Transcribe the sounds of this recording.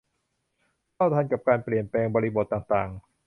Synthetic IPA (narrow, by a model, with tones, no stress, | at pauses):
kʰa˥˩wt̪ʰa˧nka˨˩p̚kaː˧npli˨˩ənplɛː˧ŋbɔː˧ɾi˦˧bo˨˩t̪ːaː˨˩ŋt̪aː˨˩ŋ